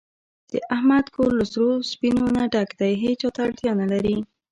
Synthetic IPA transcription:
d̪̥əʔahmad̪kollʊsɾospinonaɖakd̪ajɦet͡ʃːɑt̪aːɽt̪jɑnalaɾi

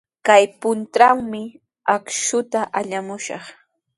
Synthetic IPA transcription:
kajpʊnt̪ɾaŋmɪ | akʃʊt̪aʔaʎamʊʃɑ̰χ

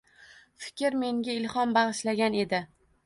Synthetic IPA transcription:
fɪ̥kʲɪɾme̞ŋɡʲaɪlˠhɒmbɑʁɨʃlaɡʲane̞d̪ɪ

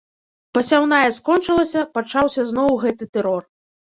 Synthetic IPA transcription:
pɐsʲawnajɐskɔnt͡ʂɨlˠɐsʲɐpat͡ʂawsʲɐznɔwɣɛt̪ɨt̪ɛɾɔr

